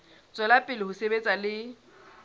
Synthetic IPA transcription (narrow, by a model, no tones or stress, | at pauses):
t͡sʼɔlapʼɪlɪhʊsebet͡sʼalɪ